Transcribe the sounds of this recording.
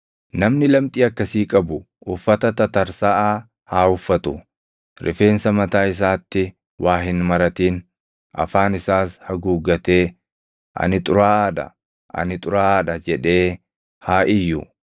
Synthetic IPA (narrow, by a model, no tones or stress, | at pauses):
nɐmnɪlɐmt̪ʼiːɐkːɐsiːkʼɐbʊ | ʊfːɐt̪ɐt̪ɐt̪ɐɾsaːʔaː | haːhʊfːɐt̪ʊ | ɾɪ̰fe̞ːnsɐmɐt̪aːɪs̬aːt̪ːɪ | wʔaːɦɪnmɐɾɐt̪iːn | ʔɐ̰faːnɪsaːshɐɡuːɡɐt̪e̞ː | ʔɐ̰nɪt̪ʼʊɾaːᶑɐ̰ | ʔɐ̰nɪt̪ʼʊɾaːᶑɐd͡ʒɛᶑe̞ː | haːʔɪjːʊ